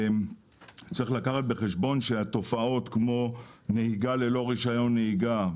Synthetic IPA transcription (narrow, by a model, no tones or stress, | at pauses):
t͡sʁiχlakaχat̪̚be̞χeʃbo̞nʃeat̪o̞fao̞t̪kmo̞ne̞hiɡale̞lo̞ʁiʃajo̞nːeiɡa